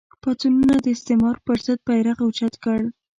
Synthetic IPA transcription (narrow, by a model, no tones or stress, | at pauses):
pɑt̪ununad̪əɪst̪ɪmɑɾpəɾz̥əd̪̚pajɾaqawt͡ʃat̪kəɽ